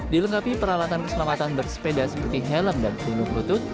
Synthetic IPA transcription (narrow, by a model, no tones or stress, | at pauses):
diləŋkapipəɾalat̪ankəsəlamat̪anbərsə̥pedasə̥pərt̪iɦɛləmdantunʊŋɾut̪ʊt̪̚